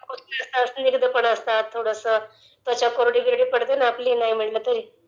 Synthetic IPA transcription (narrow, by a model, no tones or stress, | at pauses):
kusiəst̪asniɡd̪əpəɳəst̪at̪ʰːoɽəsəː | t̪jat͡ɕjakoɾɽiɡɾiɽiːpəɽt̪enaːpliːnaɦim̤iɽlət̪əɾiː